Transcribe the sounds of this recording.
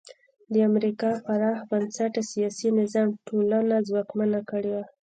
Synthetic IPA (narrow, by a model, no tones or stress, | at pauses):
d̪əamɾikɑfaɾɑhbansaʈasijɑsinɪzɑmʈolanazwɑkmanakəɽewa